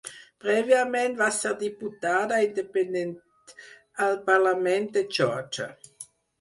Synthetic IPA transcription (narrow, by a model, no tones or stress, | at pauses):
pʁevjamɛnt̪vasɛʁd̪iput̪aːd̪aind̪ependɛn | alpaʁlamɛnt̪̚d̪ət͡ʃɔt͡ʃa̰